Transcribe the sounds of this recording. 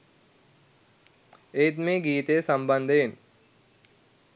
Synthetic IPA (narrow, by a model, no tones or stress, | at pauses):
eːt̪meːɡiːt̪əjəsamband̪əjen